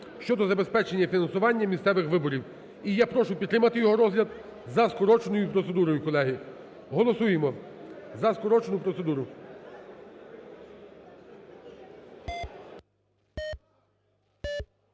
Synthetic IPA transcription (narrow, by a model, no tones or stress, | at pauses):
ʃt͡ʃɔd̪ɔzɐbe̞spɛt͡ʃenʲːɐfʲinɐnsʊʋɑnʲːɐmʲist̪sɛʋɪxʋɪbɔɾʲiw | ijapɾɔʃʊpʲt̪ːɾɪmɐt̪ɪjɔɦɔɾɔzɦlʲɐd̪ | zɐskɔɾɔt͡ʃenɔjʊpɾɔt̪se̞d̪uɾɔjʊkɔlˠɛɦi | ɦɔlˠɔsujemɔzɐskɔɾɔt͡ʃenʊpɾɔt̪se̞d̪uɾʊ